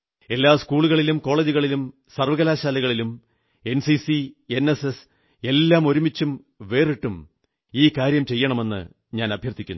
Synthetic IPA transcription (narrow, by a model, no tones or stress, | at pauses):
e̞lːaːskuːɭuɣɐɭilumko̞ːɭed͡ʑiɣɐɭilum | sɐrʋɐɣɐlaːɕaːlɐɣɐɭilum | e̞nsisie̞neses | e̞lːaːmo̞ɾumit͡ɕːum | ʋe̞ːriʈːum | iːkaːɾjɐmt͡ɕe̞jːɐɳɐme̞nːɨ̰ | ɲaːnɐbʱjɐrt̪ʰːikʲːunː